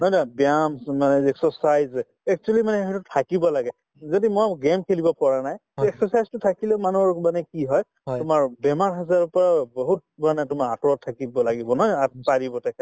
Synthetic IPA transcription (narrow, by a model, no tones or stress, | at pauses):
nɔjnɔbjamsmanɛɛksɔsajz | ɛk̚t͡ʃualimanɛɦɛtʊtʰakibɔlaɡɛ | zɔdimɔɡemkʰelibɔpɔɹanajɛksɔsajztʊtʰakilɛmanuɔɹmanɛkiɦɔj | tʊmaɹbɛmaɹɦazaɹɔpɔɹaboɦut̚manɛtʊmaɹatɔɹɔtʰːakibɔlaɡibɔnɔjasaɹibɔtakʰɛ